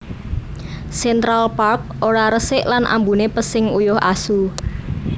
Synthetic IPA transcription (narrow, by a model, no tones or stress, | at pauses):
sɛnt̪ɾalpark̚ʔoɾaɾəsɪʔlanʔa̰mbunepəsɪŋujʊha̰su